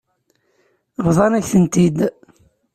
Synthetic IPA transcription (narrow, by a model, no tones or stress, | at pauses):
ʁðˤɑnæçθənt̪id̪